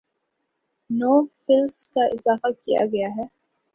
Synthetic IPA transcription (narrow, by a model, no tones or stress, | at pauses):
noːfɪlskaʔɪzaːfakija̰ɡɐjaɦɛː